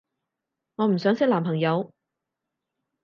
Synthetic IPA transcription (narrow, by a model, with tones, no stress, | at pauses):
ŋɔː˨˧m̩˨˩sœː˨˥ŋsɪ˥k̚laː˨˩mpʰɐ˨˩ŋjɐ˨˧w